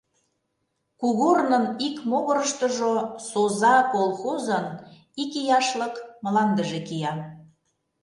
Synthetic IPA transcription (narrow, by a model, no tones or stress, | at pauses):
kuɣornənikmoɣəɾəʃt̪əʒosozɑkolxozən | ikijɑʃləkmə̆lɑnd̪əʒekijɑ